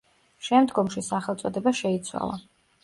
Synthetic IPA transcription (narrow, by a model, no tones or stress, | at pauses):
ʃɛmd̪ɡɔmʃisaχɛlˠt̪sʼɔd̪ɛbaʃɛit̪sʰwa̰lˠa̰